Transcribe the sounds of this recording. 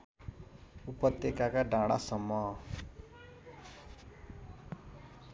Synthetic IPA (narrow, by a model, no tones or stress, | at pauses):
upʌt̪jekakaɖʱãɽa̰sʌmːʌ